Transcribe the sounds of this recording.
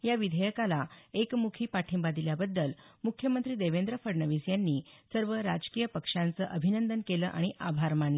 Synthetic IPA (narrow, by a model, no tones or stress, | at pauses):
jaʋid̪ʱəjəkalaekmukʰiːpaʈʰimbad̪iljabəd̪ːəlmukʰːjəmənt̪ɾiːd̪eʋend̪ɾəfəɽɳəʋisjanːiːsəɾʋəɾad͡ʑkijəpəkʂant͡səʔəbʱinənd̪ənkeləʔaɽ̃iʔabʱaɾmaɳlə